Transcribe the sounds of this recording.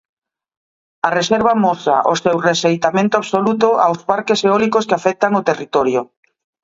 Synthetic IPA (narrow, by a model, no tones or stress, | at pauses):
areseɾβ̞amosa̰ʔosewresejt̪amẽnt̪oaβsolut̪oa̰wzpaɾkeseɔlikoskeafɛk̚t̪aŋot̪erit̪ɔɾjo